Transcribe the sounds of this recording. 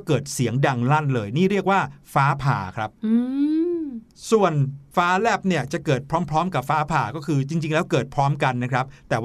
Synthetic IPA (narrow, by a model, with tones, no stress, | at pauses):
kɤː˨˩t̪̚si˩˦əŋda˧ŋla˥˩nlɤː˧jniː˥˩ɾi˥˩ək̚waː˥˩faː˦˥pʰa̰ː˨˩kʰɾa˦˥p̚ɯː˧ | su˨˩ənfaː˦˥lɛː˥˩p̚ni˥˩ɐt͡ɕa˨˩kɤː˨˩t̪̚pʰɾɔː˦˥mpʰɾɔː˦˥mka˨˩p̚faː˦˥pʰaː˨˩kɔː˥˩kʰɯː˧t͡ɕi˧ŋt͡ɕi˧ŋlɛː˦˥wkɤː˨˩t̪̚pʰɾɔː˦˥mka˧nːa˦˥kʰɾa˦˥p̚t̪ɛː˨˩w